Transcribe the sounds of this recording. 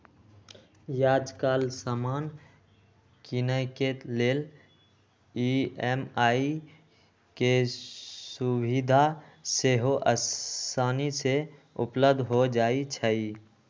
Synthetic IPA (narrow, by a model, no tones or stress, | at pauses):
jaːd͡ʒkaːlsamaːn | kinəɪket̪leːl | iemaːi | ke | sʊwid̪ʱaseɦoʔəsaːnise | ʊ̰pləbd̪ʱɦod͡ʒaːit͡ʃʰəi